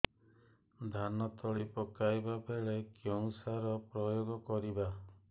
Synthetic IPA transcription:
d̪ʱanɔt̪ɔɭipɔkajbabʱeɭekjɔŋ̃saɾɔpɾɔjoɡɔkɔɾiba

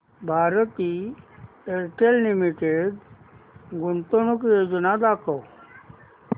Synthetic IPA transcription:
bʱaɾət̪i | eɾʈellimiʈeɖ | ɡunt̪onukjod͡znad̪akʰəw

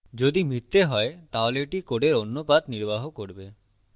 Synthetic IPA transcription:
d͡ʑod̪imit̪ːeɦɔet̪aoleʈikoɖeɾonːopad̪niɾbaɦokoɾbe

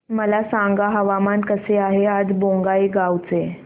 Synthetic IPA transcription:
məlasãŋɡaɦəʋamankəseaɦead͡zbõŋɡaiɡawt͡se

